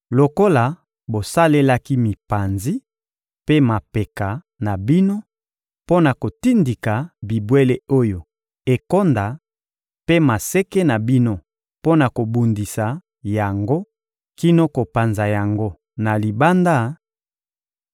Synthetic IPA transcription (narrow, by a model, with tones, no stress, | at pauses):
lo˨ko˦la˨ | bo˨sa˦le˦la˦ki˦mi˨pa˨nzi˦ | pe˦ma˨pe˨ka˨ | na˨bi˦no˦ | po˦na˨ko˨ti˦ndi˨ka˨bi˨bwe˦le˦o˦jo˨ | e˨ko˦nda˨ | pe˦ma˨se˦ke˦na˨bi˦no˦ | po˦na˨ko˨bu˨ndi˨sa˨ | ja˨ŋɡo˦ | ki˦no˦ko˨pa˨nza˨ja˨ŋɡo˦ | na˨li˨ba˦nda˦